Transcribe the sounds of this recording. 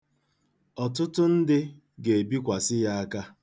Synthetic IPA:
ɔ˨tʊ˦tʊ˦n̩˦dɪ˦ | ɡe˨e˨bi˦kʷa˨sɪ˦ja˦a˦ka˦

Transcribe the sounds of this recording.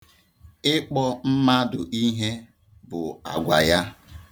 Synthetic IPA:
ɪ˦k͡pɔ˦m̩˦ma˦dʊ˨ʔi˦ɦe˦ | bʊ˨a̰˨ɡʷa̰˨ja˦

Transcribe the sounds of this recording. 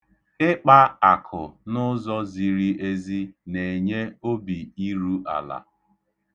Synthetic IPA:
ɪ˦k͡pa˦a˨kʰʊ̰˨nʊ˦zɔ˦zi˨ɾi˦ʔe˦zi˦ne˨ɲe˦o˦bi˨i˦ɾu˦ʔa̰˨la̰˨

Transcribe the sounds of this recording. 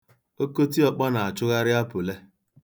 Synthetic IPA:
o˦ko˦t̬i˦ɔ˨k͡pɔ˦na˨a˨t͡ʃʊ˦ɣa˦ɾɪ˦a˦pʊ˨le˦

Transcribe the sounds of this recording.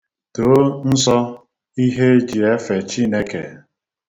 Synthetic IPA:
to˨˦n̩˦sɔ˦ | i˦ɦe˦d͡ʒi˨e˦fe˨t͡ʃi˦ne˦ke˨

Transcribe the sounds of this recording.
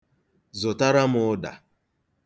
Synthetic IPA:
zʊ˨ta˦ɾa˦mʊ˦ʊ˦da̰˨

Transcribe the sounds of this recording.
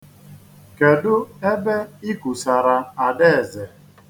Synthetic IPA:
ke˨dʊ˦e˦be˦i˦ku˨sa˨ɾa˨a˨de˦e˨ze˨

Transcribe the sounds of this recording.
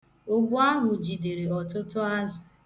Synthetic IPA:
ʊ˦ɡ͡bʊ˦a˦ɦʊ˨d͡ʒi˨de˨ɾe˨ɔ˨tʊ˦tʊ˦a˦zʊ˨

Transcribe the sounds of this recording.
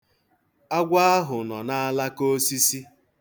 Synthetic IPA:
a˦ɡʷa˦a˦ɦʊ˨nɔ˨na˦a˦la˦ko˦si˦si˦

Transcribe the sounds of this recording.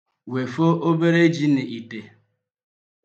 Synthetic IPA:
we˨fo˦ʔo˦be˦ɾe˦d͡ʒi˦nɪ˨ʔi˨te˨

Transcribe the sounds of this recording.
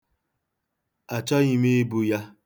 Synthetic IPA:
a˨t͡ʃɔ˦ɣi˦me˦bu˦ja˦

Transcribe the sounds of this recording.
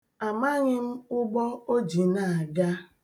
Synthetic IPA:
a˨ma˦ɲɪ˦m̩˦ʊ˦ɡ͡bɔ˦o˦d͡ʒi˨na˨a˨ɡa˦

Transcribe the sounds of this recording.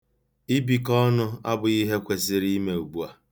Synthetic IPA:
i˦bi˨kɔ˦nʊ˦a̰˦bʊ˨i˦ɦe˦kʷe˨sɪ˦ɾi˦me˨u˨ɡ͡bu˦a˨

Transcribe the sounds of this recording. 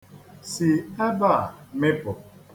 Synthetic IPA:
si˨a˦ba˦˨me˦pɔ˨

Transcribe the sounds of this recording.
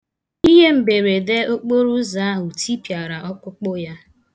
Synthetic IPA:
i˦ɦe˦m̩˨be˨ɾe˨de˦o˦k͡po˦ɾu˦za˨˦u˨tʰi˦pja˨ɾa˨ʔɔ˦kʷʊ˦k͡pʊ˦ja˦

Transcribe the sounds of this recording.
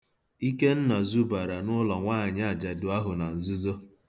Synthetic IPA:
i˦ke˦n̩˦na˨zu˦ba˨ɾa˨nʊ˦lɔ˨ŋʷaː˦˨ɲ˦a˦a˨d͡ʒa˨dʊ˨a˦ɦʊ˨na˨n̩˨zu˦zo˦

